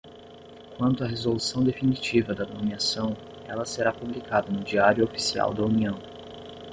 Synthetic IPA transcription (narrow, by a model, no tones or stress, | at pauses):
kwɐ̃nt̪ʊɐɦezolusɐ̃w̃d̪efinit͡ʃivɐd̪ɐnomiasɐ̃w̃ | ɛlɐseɾapublikad̪ɐnʊd͡ʒiaɾjʊofi̥sia̰wd̪ɐuniɐ̃w̃